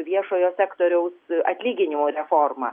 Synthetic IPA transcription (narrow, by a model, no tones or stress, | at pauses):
ʋʲiɛʃoːjoːsʲæːkt̪oːɾʲɛʊsɐt̪ʲlʲiːɡʲɪnʲɪmoːɾʲɛfoːrmɐ